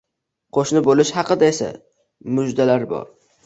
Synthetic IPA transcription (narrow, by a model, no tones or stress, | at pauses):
qʰoʃnɪbolɪʃhɑqɨd̪aesa̰ | mʊd͡ʒd̪alaɾbɒ̰ɾ